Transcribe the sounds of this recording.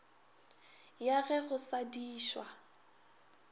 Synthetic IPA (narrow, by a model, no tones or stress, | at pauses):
jaɣɛɣʊsadiːʃwa